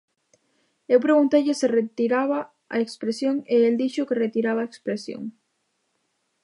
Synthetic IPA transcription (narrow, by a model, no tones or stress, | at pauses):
ewpɾeɣunt̪ejʎɪsɪret̪iɾaβa | ɐ̰ekspɾesjoŋeeld̪iʃʊkeret̪iɾaβaekspɾesjo̰ŋ